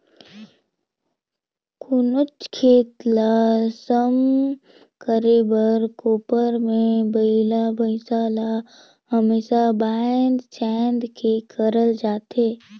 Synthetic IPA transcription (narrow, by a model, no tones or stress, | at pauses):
kʊnʊt͡ʃkʰeːt̪lasəm | kəɾeːbəɾkuːpəɾmẽbəɪlabəɪsaːla | həmeːsabaːnd̪t͡ʃɛːnd̪kʰekʰəɾəld͡ʒaːt̪eː